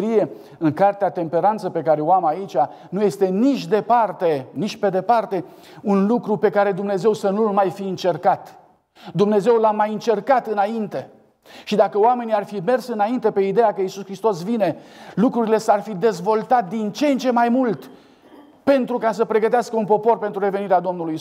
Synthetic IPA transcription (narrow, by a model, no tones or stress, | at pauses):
ɾije̞ | ɨŋkart̪eat̪e̞mpe̞ɾant̪səpe̞kaɾeoamait͡ʃʲa | nuje̞st̪e̞nit͡ʃʲd̪e̞part̪enit͡ʃʲpe̞d̪e̞part̪e̞ | unlukɾupe̞kaɾe̞d̪umne̞ze̞wsənulmajfiɨnt͡ʃe̞rkat̪ | d̪umne̞ze̞wlamajɨnt͡ʃe̞rkat̪ɨnaint̪e̞ | ʃid̪akəoame̞niarfime̞rsɨnaint̪e̞pe̞id̪e̞jakəisuskɾist̪o̞s̬vine̞lukɾuɾile̞sarfid̪e̞zvo̞lt̪at̪̚d̪int͡ʃeːnt͡ʃe̞majmult̪ | pe̞nt̪ɾukasəpɾe̞ɡət̪easkəunpo̞po̞rpe̞nt̪ɾuɾe̞ve̞niɾead̪o̞mnuluji